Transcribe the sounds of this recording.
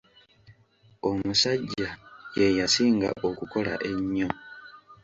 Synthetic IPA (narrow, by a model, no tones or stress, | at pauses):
o̞musaɟːaje̞jasiːŋɡa̰ʔo̞kuko̞la̰ʔe̞ɲːo̞